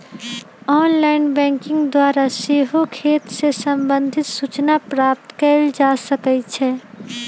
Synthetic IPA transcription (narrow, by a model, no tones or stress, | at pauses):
ɔːnlaːɪnbɛ̃ːŋkɪ̃ŋɡd̪waːɾaseɦokʰeːt̪sesə̃mbə̃nd̪ʱɪt̪sut͡ʃnapɾaːp̚t̪kəld͡ʒaːsəkət͡ʃʰɛ